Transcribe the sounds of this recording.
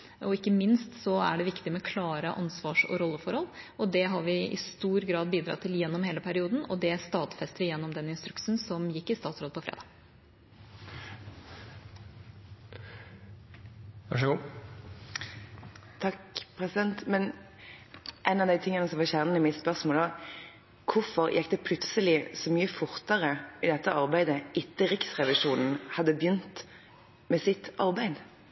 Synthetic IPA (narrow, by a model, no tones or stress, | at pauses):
ʔɔɪkːəmɪnst̪sɔæ̰ɖɛʋɪkt̪ɪmɛkʰlɑːɾəʔɑ̰nsʋɑːʂɔ̰ɾɔlːəfɔɾhɔlːɔd̪ɛɦɑɾʋɪɪ̰st̪uːɾɡɾɑːd̪̚biːd̪ɾɑ̰t̪ʰːɪljɛnːɔmheːləpʰæɾɪuːd̪n̩ɔ̰d̪ɛst̪ɑːt̪fɛst̪əɾəjɛnːɔmd̪ɛnːɪnst̪ɾʉksn̩sɔmjɪkːɪst̪ɑːt̪sɾoːd̪əpʰɔfɾḛːd̪ɑ̰ːɡ | ʋæʂəɡuː | t̪ʰɑkpʰʁɛsɪd̪ɛnt̪mɛn | ʔɛɪnɑʋd̪æɪt̪ʰɪŋːənəsɔmʋɑçæʁnənəmɪt̪spœʁsmoːlɔ | kʰʊɾfɔʁjʔɛkːd̪ɛpʰlʉt̪səlɪsɔmyːəfʊʁt̪əʁəid̪ɛt̪ːəʔɑʁbæɪd̪əʔɪt̪ːəʁɪksʁɛʋɪʂuːnn̩hɑd̪ːəbjʏnt̪ | mɛsɪt̪ɑʁbæɪd̪